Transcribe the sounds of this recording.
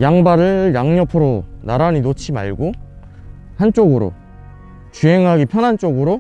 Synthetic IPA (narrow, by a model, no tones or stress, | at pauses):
jaŋbaɾɯjaŋɲʌpʰɯɾonaɾaɲinot͡ɕʰima̰ɭɡo | hant͡ɕ͈oɡɯɾo̰ | t͡ɕuɦeŋɦaɡipʰjʌnɦant͡ɕ͈oɡɯɾo